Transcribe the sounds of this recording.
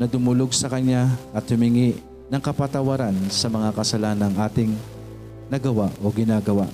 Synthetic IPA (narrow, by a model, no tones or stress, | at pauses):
nɐd̪ʊmʊloɡ̚sɐkɐɲːaʔɐt̪̚hʊmɪŋiʔ | nɐŋkɐpɐt̪ɐwɐɾansɐmɐŋakɐsɐlaːnɐŋʔaːt̪ɪŋ | nɐɡɐwaʔo̞ɡɪnaːɡɐwa̰ʔ